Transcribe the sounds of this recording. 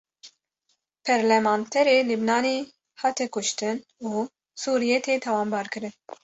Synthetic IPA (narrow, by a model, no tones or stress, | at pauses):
pʰɛɾlɛmɑːnt̪ʰɛɾeːlɨbnɑːneː | hɑːt̪ʰɛkʊʃt̪ɨnuː | suːɾijet̪ʰeːt̪ʰɛwɑːmbɑːɾkɨɾɨn